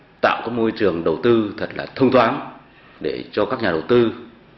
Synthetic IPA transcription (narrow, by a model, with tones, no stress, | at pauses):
t̪a̰ː˧˨wkaː˦˥k̚mo˧jt͡ɕɨ˨˩əŋɗə˨˩wt̪ɨ˧t̪ʰə˨˩t̚la̰ː˨˩t̪ʰə˧wŋ͡mt̪ʰwaː˨˦n | ɗe˧˩t͡ɕɔ˧kaː˦˥k̚ɲaː˨˩ə˨˩wt̪ɨ˧